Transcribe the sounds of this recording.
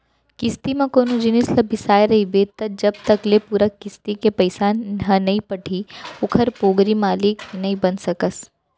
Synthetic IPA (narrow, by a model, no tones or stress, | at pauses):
kɪst̪imẽkoːnud͡ʒɪnɪslɐbʱɪsaːjɾɐɦibet̪ɐd͡ʒɐb̚t̪ɐklepuːɾakɪst̪ikepɐɪsaɦɐnɐɦĩpɐʈʰiʊkʰəɾpoːɡɾimaːlɪknɐɦĩbɐnsɐkəs